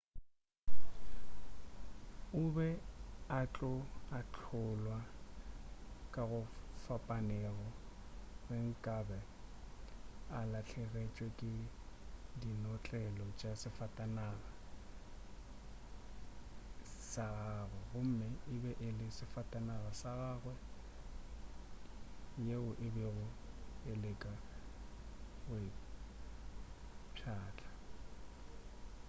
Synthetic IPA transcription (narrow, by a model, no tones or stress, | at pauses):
ʊbɛat͡ɬʼɔat͡ɬʰʊlwa | kʼaɣʊfapʼanɛɣɔ | reŋ̩kʼabɛ | alaɬʰɛɣet͡ʃʼwɛkʼɪ | dinɔt͡ɬʼɛlɔt͡ʃʼasɪfatʼanaɣa | saɣaːɣwɛɣʊm̩mɛɪbɛʔɪlɪsɪfatʼanaɣasaɣaːɣwɛ | jeʊʔɪbɛɣʊelekʼa | ɣʊɪ | pʰaːt͡ɬʼḁ